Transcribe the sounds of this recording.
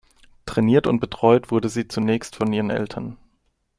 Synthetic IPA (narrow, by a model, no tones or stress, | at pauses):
tʁ̥ɛniːɐtʊ̰nt̚b̥ətʁ̥ɔʏtv̥ʊɐdəziːt͡sunɛːçstfɔnʔiːʁ̞ənʔɛ̰ltʰɐn